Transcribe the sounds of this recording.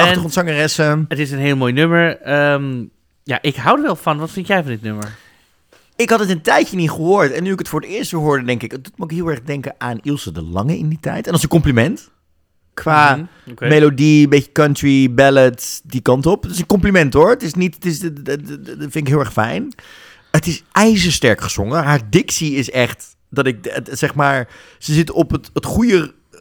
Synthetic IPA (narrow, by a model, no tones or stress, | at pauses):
ɑχəχɔntsɑŋərɛsəətɪsənɦeːlˠmojnɵməɹəm | ja̰ːʔɪkɦɑwdəʋɛlˠfɑnʋɑtfɪntjɛjfɑndɪtnøməɹ | ɪkɦɑtətəntɛjənitχəɦʊːɹtɛnːyɪkətfʊːɹətɪːɹstʋɛɦʊːɹdədɛŋkɪkət̚utmokɦɪːlˠɛɹχdɛŋkəʔaːnilˠsədə̰lɑ̰ŋəɪ̰nditɛ̰jtɛnɑlˠsə̃nkɔmplimɛnt | kʋaː | mejlodimbeə̥kɑntɹibɛlətdikɑntɔptɪsənkɔmplimɛntɦʊɹətɪsnitətɪs | fɪnɪkɦɪlˠɛχfɛ̰jn | ətɪsʔɛjzəstɛɹkχəz̥o̰ŋəɦaːɹdɪksiɪsɛχt | dɑtɪk̚sɛχmaːɹ | z̥əzɪtənɔpətətχujə